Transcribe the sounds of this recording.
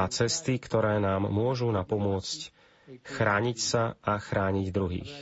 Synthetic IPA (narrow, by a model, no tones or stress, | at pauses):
at͡sɛst̪ikt̪ɔɾɛːnaːmːʊɔʒunapɔmʊɔt͡sc | xɾaːɲicsaʔaxɾaːɲiɟd̪ɾuɦḭːx